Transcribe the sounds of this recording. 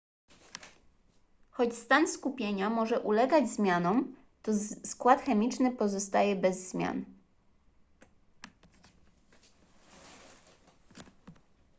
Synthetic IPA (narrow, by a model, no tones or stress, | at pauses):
xɔt͡ɕst̪anskupʲjeɲamɔʐɛʔulɛɡad͡ʑzmʲjanɔm | t̪ɔskwat̪xɛmʲit͡ʂnɘpɔzɔst̪ajɛbɛzːmʲja̰n